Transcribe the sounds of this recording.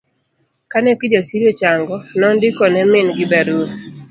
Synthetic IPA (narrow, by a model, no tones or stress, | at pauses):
kanɛkid͡ʒasiɾjot͡ʃaŋɡɔnɔndɪkɔnɛmɪnɡɪbɛɾun